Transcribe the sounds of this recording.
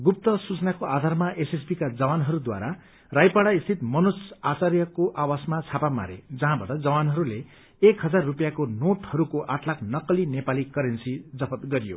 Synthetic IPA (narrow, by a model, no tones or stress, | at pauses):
ɡup̚t̪ʌsut͡snakoad̪ʱarmaʔesespikad͡zʌwanɦʌɾud̪wa̰ɾa | rajpaɽaist̪ʰit̪mʌnusat͡sarjʌkoʔawasmat͡sʰapama̰ɾḛd͡zʌɦãbaʈʌd͡zʌwanɦʌɾule | ekɦʌd͡zarːupjakonoʈhʌɾukoʔaʈʰlaknʌkʌlinepalikʌɾensid͡zʌpʰʌt̪ɡʌɾijo̰